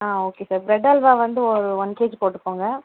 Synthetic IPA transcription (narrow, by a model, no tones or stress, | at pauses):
aːoːkeːsaːɾbɾɛɖɐlʋaːʋɐnd̪ɯɔɾɯɔnːkeːd͡ʒpoːʈːɯkːoːŋɡɐ